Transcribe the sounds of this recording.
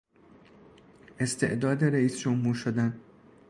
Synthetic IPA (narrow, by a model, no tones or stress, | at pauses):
ʔe̞st̪ʰe̞̰ʔd̪ɒːd̪e̞ɾeiːsd͡ʒomhuːɾʃod̪æn